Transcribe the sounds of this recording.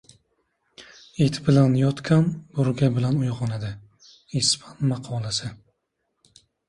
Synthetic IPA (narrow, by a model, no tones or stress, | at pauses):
et̪ʰbɪlanjɒt̪kʲʰanbʊɾɡʲabɪlanʊjʁɒnad̪ɪ | ispʰanmɑqʰɒlˠasɪ